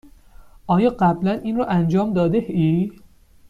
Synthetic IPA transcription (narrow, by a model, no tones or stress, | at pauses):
ʔɒːjɒːɢæblænʔiːnrɔʔænd͡ʒɒːmd̪ɒːd̪ehiː